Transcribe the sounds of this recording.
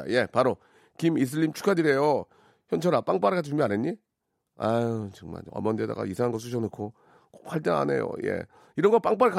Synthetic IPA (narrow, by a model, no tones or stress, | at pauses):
je̞paɾo | kimis̬ʰɯʎːimt͡ɕʰu̥kʰadɯɾe̞jo | çjʌnt͡ɕʰʌɾap͈aŋp͈aɾɯkad͡ʑʰiumjʌaneɲi | at͡ɕɯŋma̰na̰mʌndeda̰ɡa̰isʰaŋɦanɡʌs̬͈ʰɯɕʰʌnɯkʰo | koxwaɭt͈ʌna̰ne̞̰jo̰je̞̰ | iɾʌnŋɡʌp͈aŋp͈aɾɯka